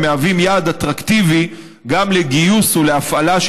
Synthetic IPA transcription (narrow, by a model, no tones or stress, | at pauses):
meavimjaːd̪at̪ʁakt̪ivi | ɡamleɡijusuleafalaʃ